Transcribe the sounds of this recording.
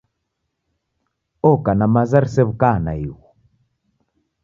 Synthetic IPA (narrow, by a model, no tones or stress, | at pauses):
ɔkanamazaɾisɛβukana̰iwɔ